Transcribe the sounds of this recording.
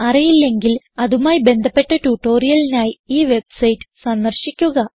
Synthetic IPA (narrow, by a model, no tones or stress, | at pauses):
ɐrijilːe̞ŋɡil | ɐðumaːjibe̞nd̪ʱɐpːe̞ʈːɐtuʈːo̞ːrijɐlinaːjiiːʋe̞bsɐjtːɨ̥sɐnd̪ɐrɕikʲːuɣɐ